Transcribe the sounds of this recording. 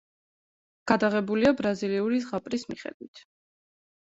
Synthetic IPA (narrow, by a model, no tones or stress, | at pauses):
ɡ̥ad̪aʁɛbuliabɾaziliuɾisʁapʼɾismiχɛ̰d̪̥wit̪ʰ